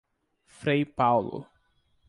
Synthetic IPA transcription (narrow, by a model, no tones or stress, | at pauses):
fɾejpawlʊ̰